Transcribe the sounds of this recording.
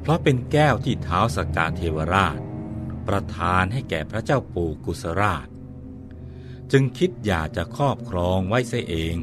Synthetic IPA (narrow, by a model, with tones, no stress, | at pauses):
pʰɾɔ˦˥pe˧nkɛː˥˩wt̪ʰiː˥˩t̪ʰaː˦˥wsa˧kaː˧t̪ʰeː˧wa˧ɾaː˥˩t̪̚pɾa˧t̪ʰaː˧nɦa˥˩jkɛː˨˩pʰɾa˦˥t͡ɕaː˥˩wpuː˧ku˨˧˩sa˧ɾaː˥˩t̪̚ | t͡ɕɯ˧ŋkʰi˦˥t̪̚jaː˨˩k̚t͡ɕa˨˩kʰɾɔː˥˩p̚kʰɾɔː˧ŋwa˦˥jsa˦˥˩jʔeː˧ŋ